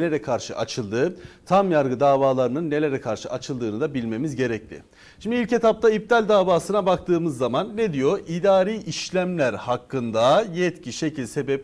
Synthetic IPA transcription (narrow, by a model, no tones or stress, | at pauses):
lʲe̞ɾɛkʰaɾʃɯʔa̰t͡ʃʰɯlˠd̪ɯt̪ʰamjaɾɡɯd̪aːvaːlˠaɾɯnɯnːe̞lʲe̞ɾɛkʰaɾʃɯʔat͡ʃʰɯlˠd̪ɯːnɯd̪abilʲme̞mizɟe̞ɾɛc̚lʲɪ̰ | ʃimd̪ilʲce̞t̪ʰap̚t̪ʰaip̚t̪ʰalʲd̪aːvaːsɯnabak̚t̪ʰɯːmɯzːamanːed̪ijo̞ʔid̪aːɾiːʔiʃlʲæmlʲæɾhakːɯnd̪ajɛt̪cʰiʃe̞cʰilʲse̞bɛp̚